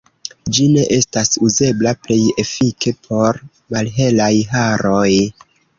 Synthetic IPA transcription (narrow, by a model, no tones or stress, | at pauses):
d͡ʒine̞ʔe̞stasuze̞blaple̞je̞fikʰe̞pʰo̞ɾ | malɦe̞lajɦaɾo̞j